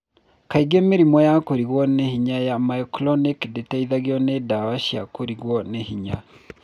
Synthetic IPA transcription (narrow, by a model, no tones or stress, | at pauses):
kaiɣemeɾimɔjakoɾiɣwɔnehiɲajamaiklɔnikdetaiðaɣeɔnedawaʃia̰koɾiɣwɔnehiɲa